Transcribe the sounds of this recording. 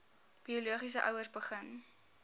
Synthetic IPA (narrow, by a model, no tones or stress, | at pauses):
b̥iuluəχis̬əʔœwəsbəχən